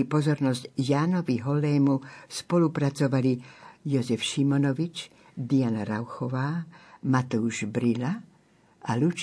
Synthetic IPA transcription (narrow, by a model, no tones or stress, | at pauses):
ipɔzɔɾnɔscjaːnɔʋiɦɔlːɛːmuspɔlupɾat͡sɔʋalijɔzɛfʃimɔnɔʋit͡ʃ | d̪ianaɾawxɔʋaːmat̪uuʒbɾila | alut͡ʃ